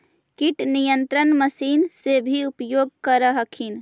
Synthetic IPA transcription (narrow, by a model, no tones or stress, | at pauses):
kiʈnijənt̪ɾənməsiːnsebʱiupjoːɡ̚kəɾəɦəkʰin